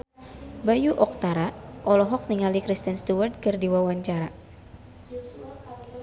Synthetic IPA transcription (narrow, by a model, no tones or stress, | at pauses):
bajuʔɔk̚t̪aɾaʔɔlɔɦɔk̚niŋalikɾist̪inst̪uwart̪̚kɨrdiwawaɲt͡ʃaɾa